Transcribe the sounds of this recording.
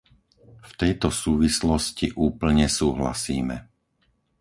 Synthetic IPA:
ft̪ɛjt̪ɔsuːʋislɔsciʔuːpl̩ɲɛsuːɦla̰siːmɛ

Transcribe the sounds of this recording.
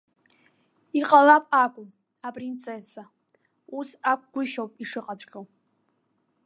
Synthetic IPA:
iqʼalapʼakʷʼʊm | apʼrint͡sʰesa | usakʷɡʷʊʃowpʼiʂɨqʼat͡ʃʷʼχʲʼow

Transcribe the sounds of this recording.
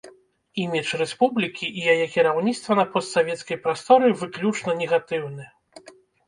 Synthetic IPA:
imʲɛt͡ʂrɛspublʲikʲiʔːjajɛkʲiɾawnʲit̪st̪vɐnɐpɔst̪savʲɛt̪skɐjpɾast̪ɔɾɨivɨklʲut͡ʂnɐnʲɛɣat̪ɨwnɨ

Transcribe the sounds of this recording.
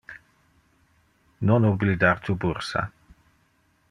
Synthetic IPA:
nɔnublid̪aɾt̪ʰubuɾsa̰

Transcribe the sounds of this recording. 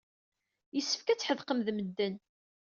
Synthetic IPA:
jəsːə̥fkæt͡sːħəðqəmðməd̪ːən

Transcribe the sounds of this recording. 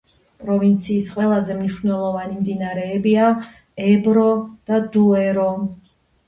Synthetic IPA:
pʼɾɔvint̪sʰiːsqʼwɛlˠazɛmniʃnɛlˠɔvanimd̪inaɾɛːbia | ɛbɾɔd̪̥ad̪uɛɾɔ

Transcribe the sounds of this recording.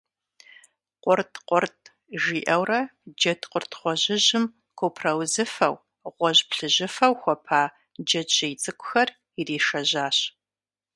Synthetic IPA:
qʷʊrtʰʼqʷʊrtʰʼ | ʒiːʔɐwrɐd͡ʒɐtʰʼqʷʊrtʰχʷɔʑɪʑɪm | kʷʰopʰrɐwzɨfɐ̰w | ʁʷɔʑpɬɨʑɪfɐwxʷɔpʰaː | d͡ʒɐt͡ʃejt͡sʼɨkʷʼʊ̥xɐr | iriːʃɐʑaːɕ

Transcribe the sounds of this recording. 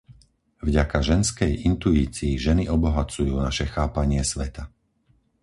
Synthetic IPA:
vɟakaʒɛnskɛjint̪uiːt͡siːʒɛniɔbɔɦat͡sujuːnaʃɛxaːpaɲɪɛsʋɛt̪a

